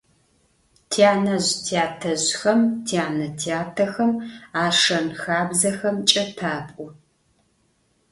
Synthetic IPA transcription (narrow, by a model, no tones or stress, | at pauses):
tʰiaːnɐʑtʰiaːtʰɐʑxɐmtʰiaːnɐtʰiaːtʰɐxɐmaːʂɐnxaːbzɐxɐmt͡ʃʼɐtʰaːpʼʊ